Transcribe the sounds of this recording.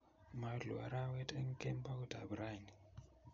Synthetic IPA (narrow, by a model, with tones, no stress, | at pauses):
ma˨ɮṵ˨a̰˨ɾa˦wɛ˦tʼe˦ŋ̩˦kʼɛ˦mbʰʼa˦ku˦dʱa̰˨bu˨ɾa˦˨ni